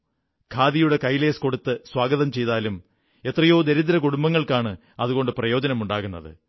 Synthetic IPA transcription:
kʰaːðijuɽe̞kɐjileːsko̞ɽut̪ːɨswaːɡɐðɐmt͡ɕe̞jt̪aːlum | e̞t̪rɐjo̞ːd̪eɾiðɐɾɐkuɽumbɐŋːɐɭkaːɳɨ | ɐðuɣo̞ɳɖɨprɐjo̞ːd͡ʑɐnɐmuɳɖaːɣunːɐðɨ̰

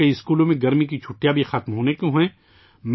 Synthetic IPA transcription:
eɪskuːlõmẽɡɐɾmik̬it͡ʃʰʊʈjabʱixat̪mɦoːnekoɦɛ̃ː | m

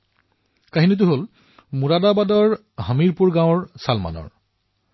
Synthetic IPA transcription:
kaɦinit̬ʊɦol | muɹadabadɔɹ | həmiɹpuɹɡãw̃ɹsalma̰nɔ̰ɹ

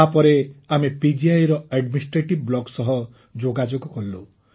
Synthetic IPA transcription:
apɔɾeamepid͡ʒiajɾɔeɖminsʈɾeʈibblɔɡsɔɦɔ | d͡ʒoɡad͡ʒoɡɔkɔllu

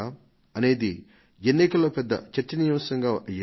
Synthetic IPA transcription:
a | ɐne̞ːd̪i | enːikɐlɐpɛd̪ːɐ̰t͡ʃɐɾt͡ʃːɐnijɐmsɐŋɡaːʔɐjɐ

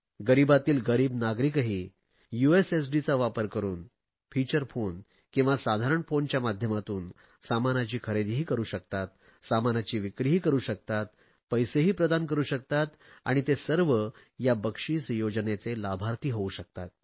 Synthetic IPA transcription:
ɡəɾibat̪iːlɡəɾiːbnaɡɾikɦiː | jueses̬ɖit͡saʋapəɾkəɾṵːn | fit͡ɕəɾfon | kĩw̃ʋasad̪ʱaɾəɳfoɳt͡ɕjamad̪ʱjəmat̪uːn | samanat͡ɕiːkʰəɾed̪ɦiːkəɾuːɕəkt̪at̪̚ | samanat͡ɕiːʋikɾiɦiːkəɾuːɕək̚t̪at̪̚ | pəjseɦiːpɾəd̪ankəɾuːɕək̚t̪at̪a̰ɽ̃it̪esəɾʋə | jabəkʂiːsəjod͡ʑnet͡selabʱaɾt̪iːɦouɕək̚t̪at̪̚

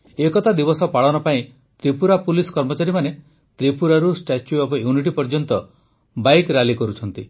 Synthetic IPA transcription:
ekɔt̪ʰad̪ibɔsɔpaɽɔnɔpaĩ | t̪ɾipuɾapulisɔ̥kɔɾmɔt͡ʃaɾimane | t̪ɾipuɾaɾusʈat͡ʃjuɔbɔjuniʈ̬ipɔɾd͡ʒɔnt̪ɔ | bajkɾalikɔɾut͡ʃʰɔnt̪i

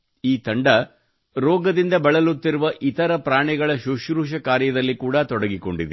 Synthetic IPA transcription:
iːt̪ɐɳɖɐ | ɾɔːɡɐd̪ind̪ɐbɐɭɐlut̪ːiɾuʋɐʔit̪ɐɾɐpɾaːɳɛɡɐɭɐʃuʃɾuːʃɐkaːɾjɐd̪ɐlːikuːɽɐt̪ɔɽɐɡiko̞ɳɖid̪e

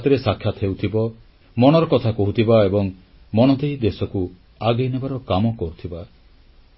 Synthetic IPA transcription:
t̪ɔɾesakʰjat̪ɔɦewt̪ʰibɔ | mɔɽ̃ɔɾɔkɔt̪ʰakɔɦut̪ʰibaebɔŋ | mɔñɔt̪eid̪esɔku | aɡejnebaɾɔkamɔkɔɾut̪ʰiba

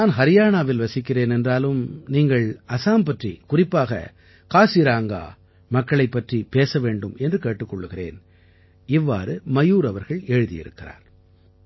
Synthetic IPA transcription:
naːnɦɐɾɪjaːnaːʋɪlʋɐsɪkːɪreːnɛndraːlɯmniːŋɡɐɭɐsaːmpɐʈrikʊrɪpːaːɣɐ̰ | kaːsiɾaːŋɡa̰ː | mɐkːɐɭɐɪpːɐʈripeːsɐʋeːɳɖɯmɛndrɯkeːʈːɯkːɔɭːɯɣɪrḛːn | ɪʋːa̰ːɾɯmɐjuːɾɐʋɐɾɣɐɭeːɻɯðɪ̰jɪ̰ɾɯ̰kːɪra̰ːɾ

